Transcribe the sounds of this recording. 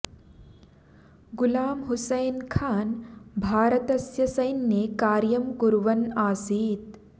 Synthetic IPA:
ɡʊlaːmɦusɐjnkʰaːnbʱaːɾɐt̪ɐsjɐsɐjnːjekaːɾjɐmkuɾʋɐnaːsiːt̪

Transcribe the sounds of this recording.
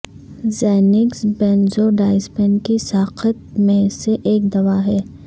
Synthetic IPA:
zɛːnɪksbɛ̃ːnzoɖaːɪsbɛnkisaːqʰət̪̚mẽseʔeːk̚d̪ɐʋaɦɛː

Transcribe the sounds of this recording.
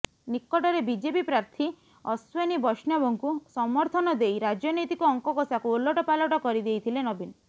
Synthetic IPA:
nikːɔʈɔɾebid͡ʒepipɾaɾt̪ʰi | ɔswenibɔʃnjɔebɔŋkusɔmɔɾt̪ʰɔnɔd̪ejɾad͡ʒɔnɔjt̪ikɔɔŋkɔkɔsakuolːoʈɔpalɔʈɔkɔɾid̪ejt̪ʰilenɔbin

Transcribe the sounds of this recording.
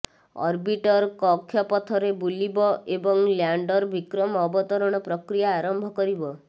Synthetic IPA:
ɔ̰ɾbiʈɔɾkɔkʰːjɔpɔt̪ʰɔɾebulibɔebɔŋljaɳɖɔɾbikɾɔmɔɔbɔt̪ɔɾɔɽ̃ɔpɾɔkɾijaːɾɔmbʱɔkɔɾibɔ

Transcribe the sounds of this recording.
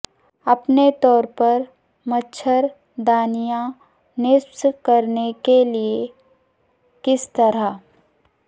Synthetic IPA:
ɐpnet̪ɔːɾpɐɾ | mɐtːʃʰəɾ | d̪aːnijã | nɪsskɐɾnekelie | kɪst̪ɐɾa

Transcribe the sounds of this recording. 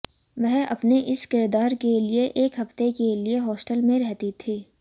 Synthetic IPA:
ʋɛɦɐ̰pneʔɪskɪɾd̪aːɾkelieʔeːkɦɐft̪ekelieɦɔːsʈəlmẽɾɛɦt̪it̪ʰiː

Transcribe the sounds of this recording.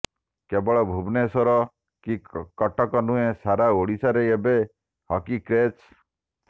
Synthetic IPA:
kebɔɭɔbʱubnesɔɾɔ | kikɔʈɔkɔnũesaɾaoɽisaɾeebe | hɔkikɾet͡ʃ

